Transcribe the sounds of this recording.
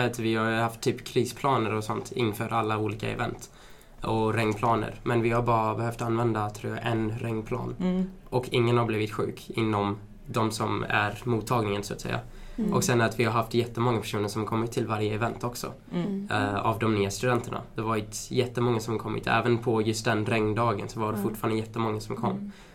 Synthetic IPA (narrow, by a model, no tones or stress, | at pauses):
at̪vɪhajhaft̪ʰːyːpkʰɾiːspʰlɑːnəɾɔsɔnt̪ʰɪ̰nːfœːɾʔalːauːliːka̰ɛ̰vɛnt̪ | ɔɾɛŋːpʰlɑːnə̰ɾmɛnvɪhaɾbɑːɾabɛɦœft̪anːvɛnd̪at̪ʰːɾuːja̰ʔɛnɾɛŋːpʰlɑ̰ːn | ʔɔkʰɪŋːənhaɾbliːvɪt̪ɧʉ̟ːkɪnːɔm | d̪ɔmsɔmæ̰ɾmuːt̪ʰːɑːɡnɪŋənsʊat̪sɛ̰jːa̰ | ʔɔksɛnæɾat̪vɪhaɾɦaft̪jɛt̪ːəmɔŋːapʰæ̥ʂuːnəɾʂɔmkʰɔmːɪt̪ʰːɪlvaɾjəɛvɛnt̪ɔksɔ̰ | a̰vd̪ɔmnyːast̪ɵd̪ɛnt̪ʰəɳa̰d̪̥ɛvaɾɪt̪jɛt̪ːəmɔŋːasɔmkʰɔmːɪ̰t̪ʰɛ̰ːvənpʰɔjɵst̪d̪ɛnɾɛŋnd̪ɑːɡə̰nsɔvaɖɛfʊʈːfɑːɾand̪əjɛt̪ːəmɔŋːasɔmkʰɔ̰mː